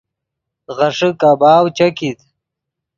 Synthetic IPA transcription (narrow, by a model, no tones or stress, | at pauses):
ʁɐʂəkaːbaːwt͡ʃɐkit̪